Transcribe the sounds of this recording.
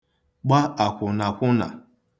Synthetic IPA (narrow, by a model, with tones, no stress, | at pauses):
ɡ͡ba˦a˨kʷʊ˨na˨kʷʊ˦na̰˨